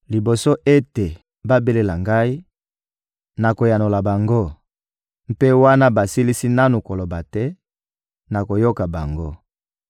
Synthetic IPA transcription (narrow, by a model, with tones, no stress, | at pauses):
li˨bo˨so˦ʔe˦te˨ | ba˦be˦le˦la˨ŋɡa˦i˦ | na˨ko˨ja˨no˨la˨ba˨ŋɡo˦ | m̩˦pe˦wa˦na˦ba˨si˦li˦si˦na˦nu˨ko˨lo˨ba˨tɛ˦ | na˨ko˨jo˦ka˨ba˨ŋɡo˦